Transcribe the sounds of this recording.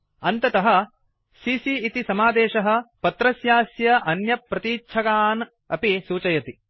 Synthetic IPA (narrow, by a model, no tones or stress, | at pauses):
ɐnt̪ɐt̪ɐɦɐ̆ | sisiːt̪isɐmaːd̪eːʃɐɦɐ̆pɐt̪ɾɐsjaːsjɐʔɐnjɐpːɾɐt̪iːt͡ʃʰɐkaːn | ɐ̰pisuːt͡ʃɐjɐt̪i